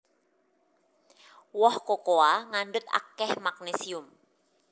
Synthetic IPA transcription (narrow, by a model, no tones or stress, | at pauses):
wɔhkokoaŋaɳɖʊt̪̚a̰kɛhmak̚nesiʊm